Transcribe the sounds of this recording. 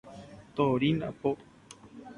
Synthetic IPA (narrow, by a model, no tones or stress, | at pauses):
t̪oɾina̰po